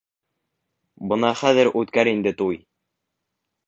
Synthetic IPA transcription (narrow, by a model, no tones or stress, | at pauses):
bɤ̆nɑχæðɘɾʔʉt̪kæɾind̪ɘt̪uj